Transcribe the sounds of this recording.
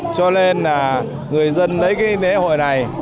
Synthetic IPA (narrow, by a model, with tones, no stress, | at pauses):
t͡ɕɔ˧le˧naː˨˩ | ŋɨ˨˩əjzə˧nlə˨˦jkaː˨˦t̪ʰe˨˦ho̰˧˨jna˨˩j